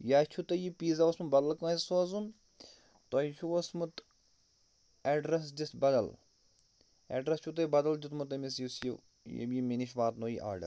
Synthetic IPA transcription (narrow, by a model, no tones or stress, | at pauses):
jaːt͡ʃʰut̪ɐjipiːzaʋɐsmubɐd̪ɐlkãːssoɐzun | t̪ojt͡ʃʰuʋɐsmut̪ | ɛːɖɾɐsd͡ʒist̪bɐd̪ɐl | ɛ̰ːɖɾɐst͡ʃʰut̪̬ɐibɐd̪ɐld͡ʒit̪mut̪ɐmis̬jusjḭ | jḛbjiminiʃʋaːt̪noːjḭʔa̰ːɖɐ̰l